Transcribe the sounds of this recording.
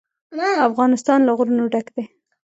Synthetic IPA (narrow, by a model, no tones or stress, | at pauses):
afɣɑnɪst̪ɑnlaɣɾunoɖakd̪e